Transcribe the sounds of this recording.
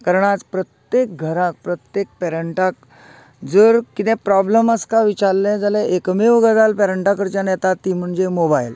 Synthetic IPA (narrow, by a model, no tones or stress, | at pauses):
kəɾɳat͡spɾət̪jek̚ɡʱəɾãk̚pɾət̪jek̚pɛɾəɳʈak̚ | d͡zəɾkit̪ɛ̃pɾɔbləməskaʋit͡ɕaɾlɛ̃d͡zalɛekmeʋəɡəd͡z̪alpɛɾəɳʈakəɾt͡ɕjanjɛt̪at̪ːiːm̤əɳd͡zemobajl